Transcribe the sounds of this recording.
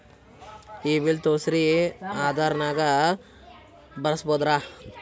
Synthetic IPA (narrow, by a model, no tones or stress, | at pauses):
iːʋilt̪oːsɾiaːd̪ʱaːɾɐnaːɡɐ | bɐɾɐsboːd̪ɾaː